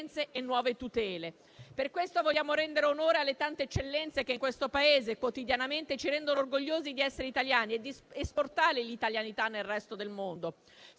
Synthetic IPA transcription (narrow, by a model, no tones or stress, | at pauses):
nt̪seʔenːwɔːvet̪ut̪ɛːle | perkwest̪ovoljːaːmoɾɛnd̪eɾeonoːɾealːet̪ant̪eet͡ʃːelːɛnt̪sek̟eiŋkwest̪opaeːzekwot̪id̪janament̪et͡ʃiɾɛnd̪onoorɡoʎːoːzid̪iɛsːeɾeit̪aljaːnied̪ːiesport̪aːɾelit̪aljanit̪anːelrɛst̪od̪elmond̪o